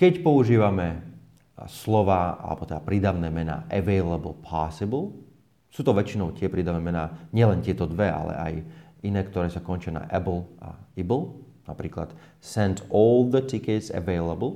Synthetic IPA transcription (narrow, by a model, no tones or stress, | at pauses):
kɛcpɔuʒiːʋamɛ | slɔʋaːa̰lɛ̰bɔt̪ɛd̪apɾiːd̪aʋnɛːmɛna̰ːʔɛʋɛɪlɛbl̩ˠpʰasɪblˠ | suːt̪ɔʋɛt͡ʃinɔʊt̪ɪɛpɾiːd̪aʋnɛːmɛnaːɲɪɛlɛnt̪ɪɛt̪ɔd̪ʋɛa̰lɛ̰ʔa̰jʔinɛːkt̪ɔɾɛːsakɔnt͡ʃɪana̰ʔɛbl̩ʔa̰ibl̩ˠnapɾiːkla̰t̪ | sɛntɔld̪ət̪ikɛtsɛ̰ʋɛɪlɛbl̩ˠ